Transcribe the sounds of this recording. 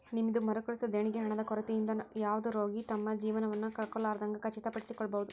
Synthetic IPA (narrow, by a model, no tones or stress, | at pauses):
nimid̪umɐɾɐkoɭisud̪eɳiɡeɦɐɳɐd̪ɐkɔɾɐt̪ijind̪ɐjaːʋɐd̪uɾo̞ːɡit̪ɐmːɐd͡ʒiːʋɐnɐʋɐnːukɐɭkɔɭːaːɾɐd̪ɐŋɡɐkɐt͡ʃːit̪ɐpɐɽisikɔɭːɐbɐʋud̪u